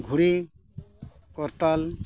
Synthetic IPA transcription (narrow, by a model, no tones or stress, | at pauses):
ɡʱuɽi | kɔɾt̪ɔl